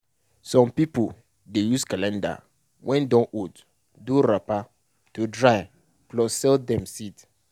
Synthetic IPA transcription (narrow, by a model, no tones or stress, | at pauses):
sɔ̃mpipo | dejuskalɛ̃nda̰ | wʔɛ̃ndɔ̃ʔod | duɾapa | tudɹaj | klɔsɛldɛ̃msid